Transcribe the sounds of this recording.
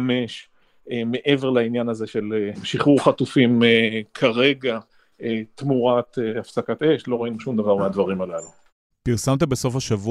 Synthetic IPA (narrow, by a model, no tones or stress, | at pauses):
me̞ʃ | eme̞ʔe̞veʁlainjanazeʃe̞leʃiχuʁχat̪ufimekʰaʁe̞ɡa | et̪muʁat̪eafsakat̪e̞ʃlo̞ʁainuʃumd̪avaʁmead̪vaʁimalalu | piʁsamt̪̬ebeso̞fhaʃavu